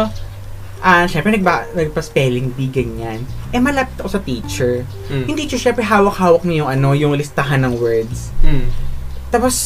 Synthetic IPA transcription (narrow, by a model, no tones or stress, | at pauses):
ʔɐʃɛmpɾɛnɐɡ̚banɐɡ̚pɐspɛːlɪŋbiɡɐŋan | ʔɛmɐlapɪt̪ɐkosɐt̪iːt͡ʃɛɹ | jʊŋt̪iːt͡ʃɛʃɛmpɾɛɦaːwɐk̚haːwɐk̚ɲɐjʊŋʔɐno̞jʊŋlɪst̪ɐɦanːɐŋwɛɹd̪s | t̪aːpos